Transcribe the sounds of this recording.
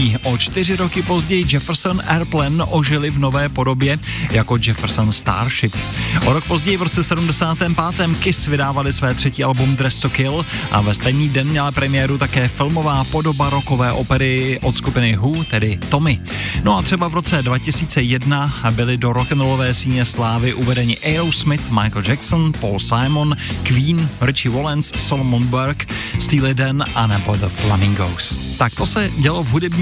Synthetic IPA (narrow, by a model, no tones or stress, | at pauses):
iʔo̞t͡ʃt̪ɪr̝ɪɾokɪpo̞zɟɛjɪd͡ʒɛfɛɾsonʔɛɾplɛnʔoʒɪlɪvno̞vɛːpo̞do̞bjɛjako̞d͡ʒɛfɛɾsonst̪a̰ːɾʃɪp̚ʔoɾo̞k̚po̞zɟɛjɪvɾo̞t͡sɛsɛdumdɛsaːt̪ɛːmpaːt̪ɛːmkɪsvɪdaːvalɪsvɛːt̪r̥ɛciːalbumd̪ɾɛst̪okɪlʔa̰vɛst̪ɛjniːdɛnmɲɛlapɾɛmɪjɛːɾut̪akɛːfɪlmo̞vaːpo̞do̞baɾoko̞vɛːʔopɛɾɪʔo̞t̪skupɪnɪɦut̪ɛdɪt̪o̞mɪ | no̞at̪r̝̥ɛbavɾo̞t͡sɛdvacɪsiːt͡sɛjɛdnabɪlɪdo̞ɾokɛnolovɛːsiːɲɛslaːvɪʔuvɛdɛɲɪʔɛjɾowsmɪt̪majkld͡ʒɛksonpolsajmonkviːnɾɪt͡ʃɪvolɛnsːolomonbɛɾkst̪iːlɪdɛnʔanɛbod̪əflamɪŋɡo̰wst̪ak̚t̪o̞sɛɟɛlo̞vɦudɛbɲː